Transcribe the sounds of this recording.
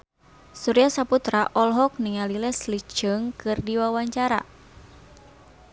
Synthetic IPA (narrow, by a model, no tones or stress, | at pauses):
suɾijasaput̪ɾaʔɔlɦɔk̚niŋalilɛslit͡ʃəŋkɨrdiwawaɲt͡ʃaɾa̰